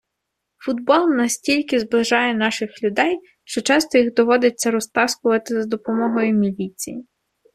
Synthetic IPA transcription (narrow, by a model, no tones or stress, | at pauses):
fʊd̪bɔlˠnɐsʲtʲilʲkɪzblˠɪʒɑjɛnɑʃɪxlʲʊd̪ɛj | ʃt͡ʃɔt͡ʃɑst̪ɔjiɣd̪ɔʋɔd̪ɪt͡sʲːɐɾɔst̪ɑskʊʋɐt̪ɪzd̪ɔpɔmɔɦɔjʊmʲilʲit͡sʲḭji